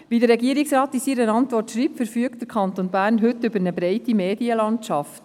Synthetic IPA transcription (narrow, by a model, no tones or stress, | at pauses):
ʋidəɾːɛɡiəɾiksrɑːt̪isiɾənɑntʋɔrtʃɾiːtfəɾfyəkt̚d̥əɾkʰɑnt̪onbæːɾnɦɵtːʏbəɾnəbɾɛɪtimeːdiəlɑntʃɑft̪